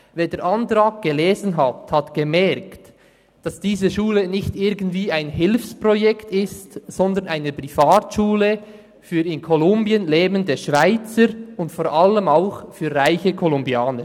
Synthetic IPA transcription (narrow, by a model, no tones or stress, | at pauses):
veːdeːɾʔɑntɾaːɡ̚ɡ̥əleːzn̩ɦɑthɑtɡ̥emɛɾkt | d̥ɑsd̥iːzəʃuːlənɪçtɪɾɡn̩tv̥iːaɪnɦɪlfsprojɛktɪstzɔndənaɪnəpɾifaːtʃuːlə | fyːɾɪnkʰɔlʊmbiənleːbəndəʃvaɪt͡səɾʊntfoːɾʔaləmaʊxfyːɾraɪçəkʰɔlʊmbjaːnə